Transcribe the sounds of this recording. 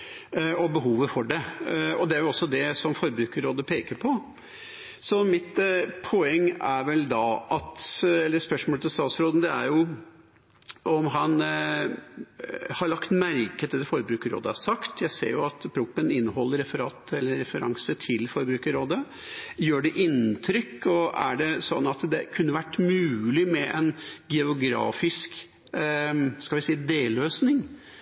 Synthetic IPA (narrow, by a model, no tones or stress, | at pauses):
ɔbəɦuːʋəfɔɖɛɔd̪ɛæɾjʊɔsːɔd̪ɛsɔmfɔɾbɾʉːkəɾoːd̪əpʰeːkəɾpʰɔ | sɔmɪt̪pʰɔɛŋːæɾʋɛld̪ɑʔɑt̪ɛlːəspœʂmoːlət̪ɪst̪ɑːt̪sɾoːd̪n̩d̪ɛæɾjʊ | ɔmɦɑn | hɑɾɭɑkt̪mæɾkət̪ʰɪld̪ɛfɔɾbɾʉːkəɾo̰ːd̪əæʂɑkt̪jæɪsḛːɾjʊɑt̪pʰɾʊpːənɪnːəɦɔlːəɾɛfəɾɑːt̪ɛlːəɾɛfəɾɑ̰ŋsət̪ʰɪlfɔɾbɾʉːkəɾoːd̪ə | jøːɖɛʔɪnt̪ʰɾʏkːɔæ̰ɖɛsɔ̰nːɑt̪d̪ɛkʰʉnːəʋæʈːmʉːlɪmɛʔɛnɡɛʊɡɾɑ̰ːfɪsk | skɑʋɪsiːd̪eːløːsnɪŋ